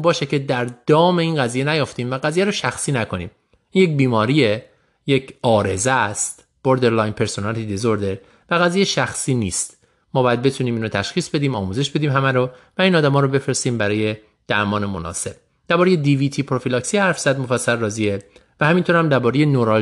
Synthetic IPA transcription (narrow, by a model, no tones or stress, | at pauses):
bɒːʃecʰe̞d̪æɾd̪̥ɒːme̞iːnɡæziːjenæjoft̪iːmvæɡæziːjæɾoʃæxsiːnækʰo̞nḭːm | ʔiːnjec̚biːmɒːɾie | jecʰɒːɾe̞zæst̪ | b̥oɾd̪eɾlɒjnpʰe̞ɾsonælt̪ʰid̪ezoɾd̪e | væɣæzijeʃæxsiːnḭːst̪ | mɒːbɒːjæd̪̚be̞t̪ʰuniːmiːnɾot̪ʰæʃxiːsbe̞d̪iːmɒːmuːze̞ʃbe̞d̪iːmɦæmæɾovæiːnɒːd̪æmɒːɾobe̞fɾest̪iːmbæɾɒːje̞ | d̪̥æɾmɒːnemonɒ̰ːse̞b̥̚ | d̪̥æɾbɒːɾejed̪iviːt̪ʰipʰɾo̞filɒksihæɾfz̥æd̪mo̞fæsːælrɒːzievæhæmiːnt̪oɾhæmd̪æɾbɒːɾejenoɾɒl